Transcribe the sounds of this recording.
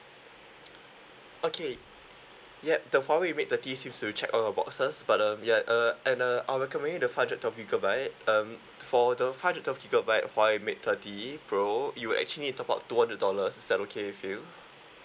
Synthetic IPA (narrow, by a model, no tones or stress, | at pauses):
ʔokʰe | jɛdəwaɪwimet̚t̪ətisĩmstut͡ʃɛkɔ̃nabɔ̰ksəsbat̚ʌ̃mjaʔʌɛ̃nʌʔaɪɹɛkɔmɛ̃ndɪ̃ŋdəfãndɹət̚ʰɔfkiɡəbaɪt̚ʌ̃m | fɔdəfaɪṽdɛt̚ʰɔfkiɡəbajt̚waɪwimet̚t̪ʰətipʰɹojuwuʔɛ̰k̚t͡ʃəlinitɔpa̰ʊttːuhãndɹət̚dɔləsɪsd̥ɛtokʰeɪfu